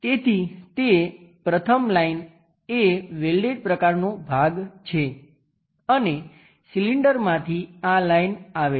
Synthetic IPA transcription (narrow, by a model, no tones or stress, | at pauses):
t̪et̪ʰit̪epɾət̪ʰəmlain | eʋelɖeʈ̚pɾəkaɾnobʱaɡt͡ʃʰe | əne | siliɳɖəɾmãt̪ʰialainaʋe